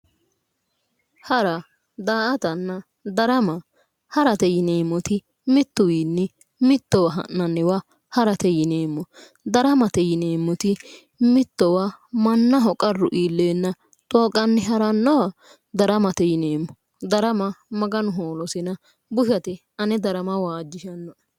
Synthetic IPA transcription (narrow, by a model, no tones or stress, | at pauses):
hɐɾɐ | d̪aːʔɐt̪ɐnːɐ | d̪ɐɾɐmɐ | hɐɾɐt̪ɛjɪne̞ːmːɔt̪ɪ | mɪt̪ːʊwiːnːɛ | mɪt̪ːɔwɐɦɐ̰nːɐnːɛwɐ | hɐɾɐt̪ɛjɪneːmːɔ | d̪ɐɾɐmɐt̪ɛjɪneːmːɔt̪ɪ | mɪt̪ːɔwɐmɐnːɐɦɔkʼɐrːʊʔiːlːeːnːɐ | t̪ʼoːkʼɐnːɛɦɐɾɐnːɔwɐ | d̪ɐɾɐmɐt̪ɛjɪneːmːɔ | d̪ɐɾɐmɐmɐɡɐnʊɦoːlɔsɪnɐ | bʊʃɐt̪ɛ | ɐnɛd̪ɐɾɐmɐwaːd͡ʒːɪʃɐnːɔʔ